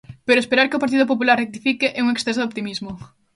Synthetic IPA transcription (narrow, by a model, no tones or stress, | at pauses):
peɾoespeɾaɾkeopaɾt̪̬iðoʊp̬op̬ulaɾrrek̚t̪ifikɪʔeuŋeksθesoðopt̪imizmʊ